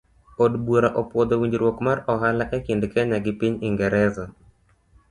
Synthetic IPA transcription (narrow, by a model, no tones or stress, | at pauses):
odboɾaʔɔpwɔd̪owiɲd͡ʒɾwokmarɔɦalaʔɛkindkɛɲaɡɪpiɲiŋɡɛɾɛza